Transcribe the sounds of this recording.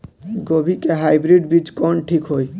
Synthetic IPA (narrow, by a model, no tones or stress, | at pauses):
ɡobʱikeɦajbɾiɖbid͡ʒkɔnʈʰikɦoj